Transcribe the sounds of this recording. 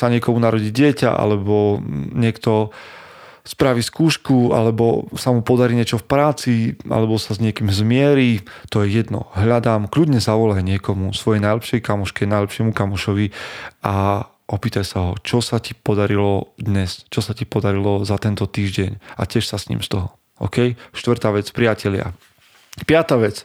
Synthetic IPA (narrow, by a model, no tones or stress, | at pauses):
saɲɪɛkɔmunaɾɔɟiɟɪɛca̰ʔa̰lɛbɔɲɪɛkt̪ɔ | spɾaʋiskuːʃkua̰lɛbɔsamupɔd̪aɾiːɲɪɛt͡ʃɔfpɾaːt͡siʔa̰lɛbɔsazɲɪɛkiːmzmɪɛɾit̪ɔjɛjɛd̪nɔ̰ɦʎad̪aːmklud̪ɲɛzaʋɔlajɲɪɛkɔmusʋɔjɛjnajlɛpʃɛjkamɔʃkɛnajlɛpʃɪɛmukamɔʃɔʋiʔa | ʔɔpiːt̪ajsaɦɔt͡ʃɔsacipɔd̪aɾilɔd̪ɲɛst͡ʃɔsacipɔd̪aɾilɔzat̪ɛnt̪ɔt̪iːʒɟɛɲa̰cɪɛʃsasɲḭːmst̪ɔɦɔ | ɔ̰kɛjʃt̪ʋrɾt̪aːʋɛt͡spɾɪacɛʎɪa̰ | pɪat̪aːʋɛt͡s